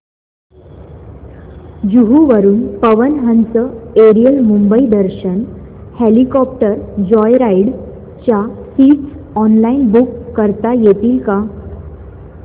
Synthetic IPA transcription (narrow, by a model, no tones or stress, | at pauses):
d͡ʑuɦuʋəɾuːnpəʋənɦənt͡səeɾijəlmumbəid̪əɾɕən | helikɔp̚ʈəɾd͡ʑɔjɾaiɽ | t͡ɕjasiːʈs | ɔnlainbukːəɾt̪ajet̪iːlka